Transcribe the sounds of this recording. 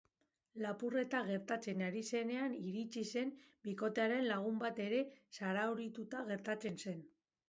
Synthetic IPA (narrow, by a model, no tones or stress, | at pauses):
lapure̞t̪aɣe̞ɾt̪at͡se̞naɾise̞ne̞aniɾit͡ʃise̞mbiko̞t̪eaɾe̞nlaɣ̞umbat̪e̞ɾe̞saɾauɾit̪ut̪aɣe̞ɾt̪at͡se̞nse̞n